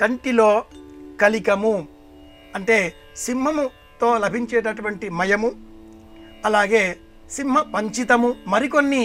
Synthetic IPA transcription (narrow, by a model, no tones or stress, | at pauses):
kɐɳʈiloːkɐlikɐmu | ɐɳʈe̞ː | simːɐmu | t̪o̞ːlɐbʱiɲt͡ʃɛːʈɐʈuʋɐɳʈimɐjɐmu | ɐlaːɡe̞ː | simːɐpɐɲt͡ʃit̪ɐmumɐɾiko̞nːi